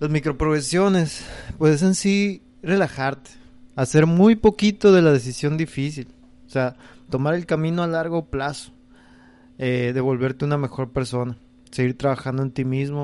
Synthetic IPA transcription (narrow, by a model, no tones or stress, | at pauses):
lazmikɾo̞pɾoɣɾesjo̞ne̞spweses̬ensi | re̞laxaɾt̪e̥ | ase̞ɾmujpo̞kit̪o̞ðe̞lað̞e̞s̬isjo̞nd̪ifis̬il | osea | t̪o̞maɾe̞lkamĩnoalaɾɣo̞plaso̥ | eðe̞β̞o̞lβe̞ɾt̪euname̞xo̞ɾpe̞ɾso̞na | seɣiɾt̪ɾaβaxand̪oe̞nt̪imizmo